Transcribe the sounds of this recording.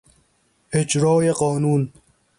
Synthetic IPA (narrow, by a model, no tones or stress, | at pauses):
hɪd͡ʒɾɔːjeqɔːnuːn